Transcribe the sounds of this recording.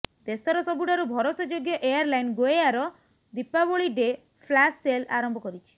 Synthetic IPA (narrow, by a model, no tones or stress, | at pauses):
d̪est̪ɔɾɔsɔbuʈaɾubʱɔɾosɔd͡ʒoɡjɔʔejaɾlajnɡoeaɾɔ | d̪ipaboɭiɖe | pʰlassela̰ɾɔmbʱɔkɔɾit͡ʃʰi̥